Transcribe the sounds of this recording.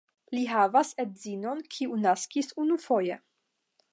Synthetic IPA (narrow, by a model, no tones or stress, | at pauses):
liɦavaset̚zino̞nkʰiunaskisunufo̞je